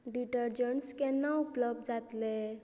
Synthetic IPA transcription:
ɖiʈəɾd͡ʒəɳskenəupləb̚dd͡ʒat̪le

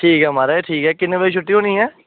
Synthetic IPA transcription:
ʈʰiːkɛːmaːɾaːeːʈʰiːkɛːkɪnːẽːbeit͡ʃʰʊʈːiːɦoːniːɛː

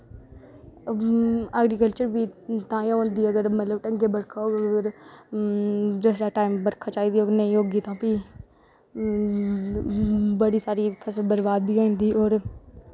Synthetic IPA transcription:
əɡɾikəlt͡ʃəɾbʱit̪ãːjaõːnd̪iɐɡəɾmət̪ləbʈɐ̃ŋɡebɐɾkʰaoːɐɡəɾ | d͡ʒeːsɾaʈaːɪmbəɾkʰat͡ʃaːid̪ioːɾnɐĩjoːɡit̪ãːpi | bəɽisaːɾipʰəsəlbəɾbaːd̪̚bʱiɦãːĩnd̪iɔːɾ

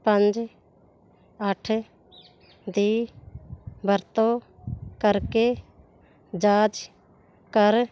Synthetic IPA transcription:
pə̃nd͡ʒ | əʈʰ | d̪iː | bʱəɾt̪oː | kəɾkeː | d͡ʒaːd͡ʒ | kəɾ

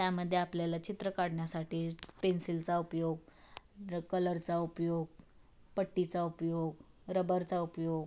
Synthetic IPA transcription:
t̪jaməd̪ʱːjeapljalat͡ɕit̪ɾəkaɽɳjasaʈiːpensilt͡saupjoɡ | kələɾt͡saupjoɡ̚ | pəʈːit͡saupjoɡ | ɾəbəɾt͡saupjoɡ

